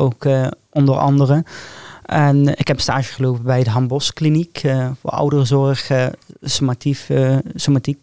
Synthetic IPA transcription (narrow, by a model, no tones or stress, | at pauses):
owk | ɔndəɹɑ̰ndərəʔɛnɪkɦɛpə̥nstaːʒəχəlowpəbɛjdəɦɑmbɔsklinikvʊ̰ːɹʌ̰wdərəzɔrχsomatisomatik̚